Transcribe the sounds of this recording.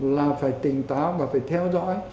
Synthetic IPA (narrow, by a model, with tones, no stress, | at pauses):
laː˨˩faː˧˩jt̪ï˨˩ŋt̪aː˨˦wvaː˨˩faː˧˩jt̪ʰɛ˧wzɔ̰˧˥j